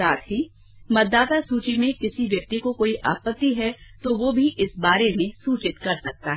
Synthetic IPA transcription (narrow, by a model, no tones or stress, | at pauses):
aːt̪ɦi | mɐd̪d̪ːaːt̪asuːt͡ʃimẽkɪsiʋjɐk̚t̪ikokoːiʔaːpət̪ːiɦɛt̪oʋobʱiʔɪsbaːɾemẽsuːt͡ʃɪt̪kɐɾsɐk̚t̪aɦɛ